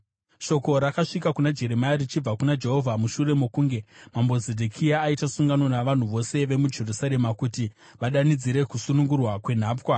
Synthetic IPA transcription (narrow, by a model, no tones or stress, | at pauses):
ʃo̞ko̞ɾakaʂikakunad͡ʒe̞ɾemajarit͡ʃib͡vakunad͡ʒe̞ɦo̞vʱamuʃure̞mokuːŋɡe̞mambo̞zedʱekʰiaːitasuŋɡanonaʋan̤uʋo̞se̞ʋe̞mud͡ʒerusaɾe̞makuti | ʋaɗanid͡ziɾe̞kusunuŋɡurwakwe̞n̤aːpkwa